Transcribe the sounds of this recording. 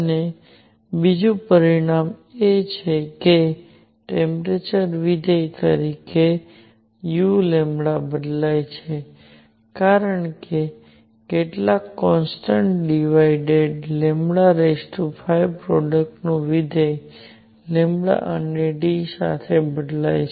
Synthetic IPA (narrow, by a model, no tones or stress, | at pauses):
ne | bid͡ʒũpəɾiɽ̃amet͡ʃʰeke | ʈẽmpɾet͡ʃəɾʋid̪əjt̪ə̰ɾike | julembɭabəd̪lajt͡ʃʰe | kaɾəɳke | keʈlakːɔnsʈəɳʈɖiʋaiɖeɖlemɽaɾesʈufʰajpɾɔɖək̚ʈnũʋid̪ʱəj | lembɽa̰ʔəneɖisa̰t̪ʰebəd̪la̰jt͡ʃʰ